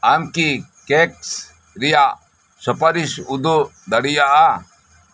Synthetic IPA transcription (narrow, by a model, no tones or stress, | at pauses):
ɐmkikeks | ɾija | sɔpɐɾisud̪u | d̪ɐɽijaʔa